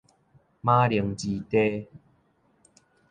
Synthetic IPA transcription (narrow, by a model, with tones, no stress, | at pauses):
mã˦ɾi˨˩əŋt͡ɕi˧t̪e˦